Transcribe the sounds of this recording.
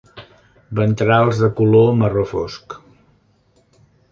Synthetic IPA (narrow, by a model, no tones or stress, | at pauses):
bənt̪ɾalˠzðəkulomərofɔ̰sk